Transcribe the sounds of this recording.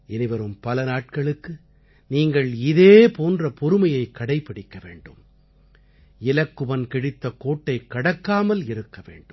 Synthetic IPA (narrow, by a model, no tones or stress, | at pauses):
ɛnɪʋɐɾɯmpɐlɐnaːʈ̚kɐɭɯkːɯ | niːŋɡɐɭɪðeːpoːndrɐpɔɾɯmɐjɐɪkːɐɽɐɪpːɪɽɪkːɐʋḛːɳɖɯm | ɪlɐkːɯʋɐnkɪɽɪt̪ːɐkoːʈːɐɪkːɐɽɐkːaːmɐlɪɾɯkːɐʋḛːɳɖɯm